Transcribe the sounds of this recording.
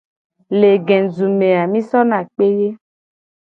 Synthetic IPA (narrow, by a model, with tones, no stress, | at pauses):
le˨ɡɛ̃˨zu˨mẽ˨a˨mĩ˦sɔ˦nã˨k͡pe˦je˦